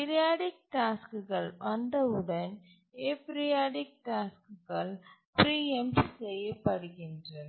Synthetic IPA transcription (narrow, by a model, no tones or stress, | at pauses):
pɪɾɪjaːɽɪk̚ʈaːskɯɣɐɭʋɐnd̪ɐʊɽɐn | eːpɪɾɪjaːɽɪk̚ʈaːskɯɣɐɭ | pɾiːɛmssɛjːɐpːɐɽɯɣɪndrɐ